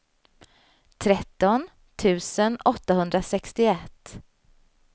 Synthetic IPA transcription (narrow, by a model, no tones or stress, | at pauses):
t̪ʰɾɛt̪ːɔn | t̪ʰʉ̟ːsənɔt̪ːaɦɵnd̪ɾasɛkst̪ɪɛt̪ː